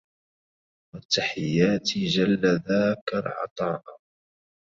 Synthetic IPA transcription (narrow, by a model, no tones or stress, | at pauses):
wat̪ːaħɪjːaːt̪ɪd͡ʒalːaðaːkalʕɑ̰t̪ˤɑːʔ